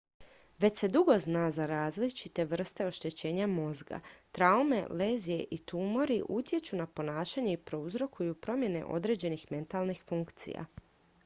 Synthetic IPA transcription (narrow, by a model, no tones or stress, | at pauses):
ʋe̞t͡ɕse̞d̪uɡo̞znaːzaɾaːzlit͡ʃit̪e̞ʋr̩st̪e̞o̞ʃt̪e̞t͡ɕe̞ːɲamo̞zɡa̰t̪ɾaume̞̰leːzije̞ʔit̪umo̞ɾiʔut̪je̞t͡ɕunapo̞naːʃaɲe̞ipɾo̞uzɾo̞kʰujupɾo̞mje̞ne̞̰ʔo̞̰d̪ɾe̞ːd͡ʑe̞nixme̞nt̪alnixfuŋkt̪sḭja̰